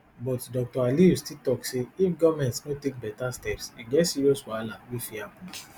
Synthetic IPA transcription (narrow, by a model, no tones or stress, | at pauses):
bɔtdɔk̚tɔaliustitɔkseifɡɔmɛ̃ntsnõtek̚bɛtastɛpsiɡɛsiɾiɔswalawifihapũ